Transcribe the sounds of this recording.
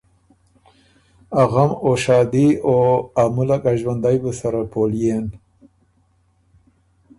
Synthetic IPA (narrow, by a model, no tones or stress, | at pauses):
aɣamoʃɑːd̪ioamulakaʒwand̪ajbəsaɾapoljen